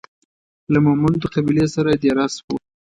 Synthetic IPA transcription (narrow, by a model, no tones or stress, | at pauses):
lamamund̪əqabilesaɾad̪jaɾɑsko